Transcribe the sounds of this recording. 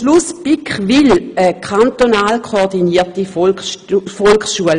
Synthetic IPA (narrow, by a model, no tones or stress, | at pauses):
ʃluspikχʋiləkʰant̪onaːlkʰoːʁdiniɐtif | fɔlkχsʃuəl